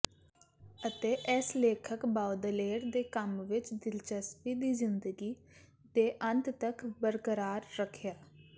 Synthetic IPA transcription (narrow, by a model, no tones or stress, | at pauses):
ət̪eːʔɛsleːkʰəkbaːwd̪əleːɾd̪eːkəmʋɪt͡ʃd̪ɪlt͡ʃəspiːd̪iːzɪnd̪əɡiː | d̪eːʔə̃nt̪t̪əkbəɾkəɾaːɾːəkʰːjaː